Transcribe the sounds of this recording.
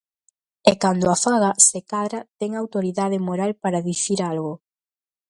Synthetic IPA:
ɛkand̪ʊafaɣasekaðɾat̪ɛŋawt̪oɾiðað̞emoɾalpaɾaðiθiɾalɣʊ

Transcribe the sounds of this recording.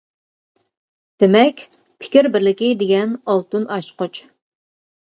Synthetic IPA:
d̪̥ɪmɛkʲ | pʰɪ̥kʲiɾbɪɾlɪkʲid̪eɡʲɛnɑlˠt̪unɑʃqot͡ʃ

